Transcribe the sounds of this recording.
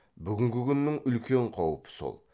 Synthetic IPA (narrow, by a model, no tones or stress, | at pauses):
byɡʲɪŋɡʲɪkʲʰynːɪŋʏlkʲʰeɴqʰɑwpʰɪ̥so̰lˠ